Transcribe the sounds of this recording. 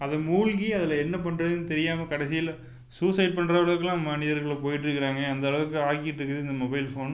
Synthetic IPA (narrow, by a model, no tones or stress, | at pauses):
ɐðɐmuːlɡiɐðɪlɐɛnːɐp̬ɐɳɾɐðɯnːɯt̪ɛɾɪjaːmɐkɐɽɛsɪjɐl | suːsɐɪʈ̚pɐɳːɾɐʋɐɭɐʋɯkːɯlãːmɐnɪðɐɾɣɐɭpoːjɪʈːɪɾɯkːɪɾaːŋɡɐɐnd̪ɐɭɐʋɯkːɯaːkɪjɪʈːɪɾɯkːɐðɯɪnd̪ɐmɔbɐɪlfoːn